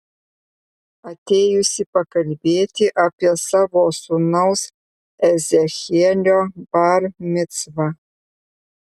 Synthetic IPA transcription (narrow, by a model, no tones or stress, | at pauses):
ɐt̪ʰʲeːjʊsʲɪpɐkɐlʲbeːtʲʰɪʔapʲiɛsaːvosunɐws | ɛzʲexʲiɛlʲoːbaːrmʲɪt͡svɐ